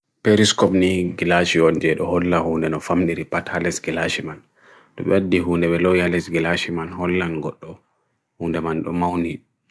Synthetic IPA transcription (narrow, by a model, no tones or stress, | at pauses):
peɾiskɔpniɡilaʃiɔnd͡ʒɛɗɔhɔlːahuːndɛnɔfamɗiɾipathalɛsɡilaʃiman | ɗɔ̰ɓɛadːiɦuːndɛɓɛlɔjalɛsɡɛlaʃimanhɔlːanɡɔɗːɔ | huːndɛmanɗɔmawni